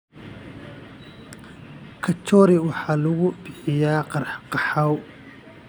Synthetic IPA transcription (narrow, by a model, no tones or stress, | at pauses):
kʰɐt͡ʃɔːɾɪwɑħɑːlʊɣʊbɪħɪjaːqɑɾħqɑħaw